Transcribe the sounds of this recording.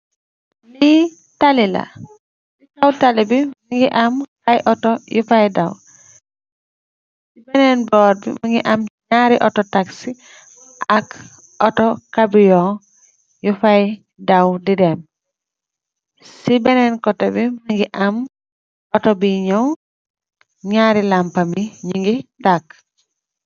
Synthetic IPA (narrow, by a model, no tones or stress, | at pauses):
li | talila̰ | sikawtalibimaŋɡiʔamhajʔɔtɔjufajdaw | sibɛnɛnbɔːɾ̚bḭmaŋɡiʔamɲaɾiʔɔtɔtaksi | ɔak | ɔtɔkabijɔ | jufaj | dawdidɛm | sibɛnɛnkɔtɔbimaŋɡiʔam | ɔtɔbiɲaw | ɲaɾilampamiɲiŋɡitak̚